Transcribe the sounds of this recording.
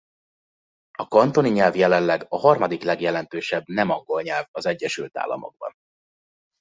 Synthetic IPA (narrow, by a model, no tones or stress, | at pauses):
ɒkɒnt̪o̞niɲɛlvjɛlɛnlɛɡɒɦɒrmɒd̪iklɛɡjɛlɛnt̪øːʃɛbnɛmɒŋɡo̞lɲɛlvɒzɛɟːɛʃylt̪a̰ːlːɒ̰mo̞̰ɡ̚bɒ̰n